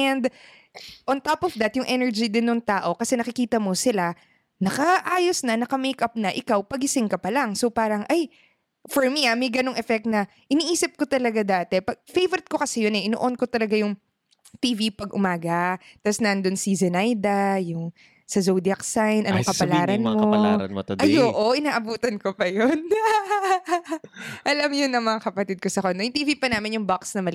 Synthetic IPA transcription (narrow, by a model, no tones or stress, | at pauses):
ɛnd̪ | ʔont̪opɔfd̪ɐt̪jʊŋʔɛnɛɹd͡ʒid̪ɪnːʊŋt̪aːʔo̞kɐsɛnɐkɪkiːt̪ɐmosɪla | nɐkɐʔaːjosnɐnɐkɐmejkɐp̚nɐʔɪkawpɐɡɪsɪŋkɐpɐlaŋsopaːɾɐŋʔaj | fɔɹmiamɐjɡɐno̞ŋʔɛfɛk̚t̪̚nɐ | ʔɪniʔiːsɪp̚ko̞t̪ɐlɐɡad̪aːt̪ɛpɐɡ̚fejvɛɾɪt̪̚ko̞kɐsɛjonɛʔɪno̰ʔonko̞t̪ɐlɐɡajʊŋ | t̪iːvipɐɡʔʊmaːɡɐt̪ɐsnɐnd̪onsizɛnajd̪ɐjʊŋ | sɐzowd̪iɐksajnʔɐnkɐpɐlaːɾɐnmoɾɐ̰ot̪ʔɐjoːʔoʔɪnaːʔɐbuːt̪ɐnkopɐjon | ʔɐlɐmjʊnɐŋmɐŋakɐpɐt̪id̪̚kosɐkond̪ojʊŋt̪iːvipɐnaːmɪnjʊŋbaksnɐmɐl